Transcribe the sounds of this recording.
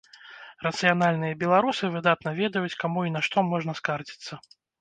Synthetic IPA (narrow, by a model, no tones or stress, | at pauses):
rɐt̪sɨjanalʲnɨjɐbʲɛlˠaɾusɨvɨd̪at̪nɐvʲɛd̪ɐjut͡sʲkamuinɐʂt̪ɔmɔʐnɐskard͡zʲit̪sːɐ